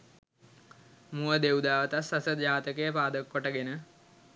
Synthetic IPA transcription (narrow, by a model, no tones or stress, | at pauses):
muəd̪eud̪aːʋət̪asːasəd͡ʒaːt̪əkejəpaːd̪əkːoʈəɡenə